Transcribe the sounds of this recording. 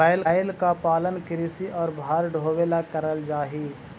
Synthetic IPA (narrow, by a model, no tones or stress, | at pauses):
aːɪlɪlkapaːlənkɪɾɪsiʔɔːɾbʱaːɾɖʱoːweːlakəɾəld͡ʒaːɦiː